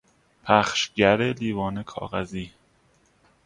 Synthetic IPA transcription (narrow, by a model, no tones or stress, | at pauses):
pʰæxʃɟæɾeliːvɒːnekʰɒ̰ːɣæziː